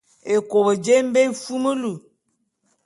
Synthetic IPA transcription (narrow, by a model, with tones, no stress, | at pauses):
e˨ko˨bə˨d͡ʒe˦m̩˦be˦fu˦mə˦lu˨